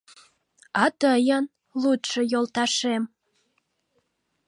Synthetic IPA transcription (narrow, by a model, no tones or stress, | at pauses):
ɑt̪əjən | lut̪ʃojolt̪ɑʃem